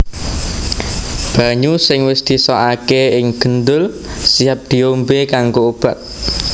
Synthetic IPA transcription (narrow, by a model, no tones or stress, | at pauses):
b̥a̤ɲusɪŋwɪsd̪̥isɔʔakeɪŋɡ̥ənd̪ʊl | siap̚d̪̥i̤ombekaŋɡoub̥a̤t̪̚